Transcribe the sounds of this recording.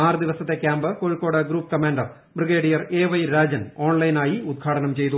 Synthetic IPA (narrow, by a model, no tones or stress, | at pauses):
aːrd̪iʋɐsɐt̪ːe̞kʲjaːmbɨkoːɻikːo̞ːɽɐɡɾuːpːkɐmaːɳɖɐr | briɡeːɽijɐreːʋɐjɾaːd͡ʑɐno̞ːɳlɐjnaːjiud̪̚ɡʰʱaːʈɐnɐmt͡ɕe̞jt̪u